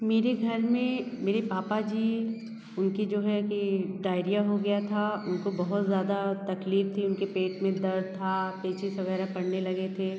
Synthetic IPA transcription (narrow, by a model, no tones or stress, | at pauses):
meːɾeɡʱɐɾmẽmeːɾepaːpad͡ʒiː | ʊnkid͡ʒoːɦɛkiɖaːɪɾijaɦoɡɐjat̪ʰaʊnkobɐɦʊt̪zjaːd̪at̪ɐkliːf̚t̪ʰiʊnkepeːʈmẽd̪ɐɾt̪ʰapeːt͡ʃɪsʋɐɣɛːɾapɐɽnelɐɡet̪ʰeː